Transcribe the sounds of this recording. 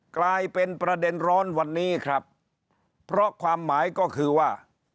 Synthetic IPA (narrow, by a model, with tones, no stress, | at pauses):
klaː˧jpe˧npɾa˧de˧nɾɔː˦˥nwa˧nːiː˦˥kʰɾa˦˥p̚ʰː | ɾɔ˦˥kʰwaː˧mːaː˩˦jkɔː˥˩kʰɯː˧waː˥˩